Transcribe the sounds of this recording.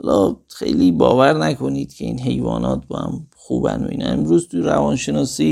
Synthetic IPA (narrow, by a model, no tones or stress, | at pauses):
ɔlɒːxe̞̰jliːbɒːvæɾnækʰo̞niːd̪̥cʰe̞iːnɦe̞jvɒːnɒːt̪̚ʰbɒhæmxuːbænbḭːnænemɾuːzt̪ʰuɾævɒːnʃe̞nɒːsiː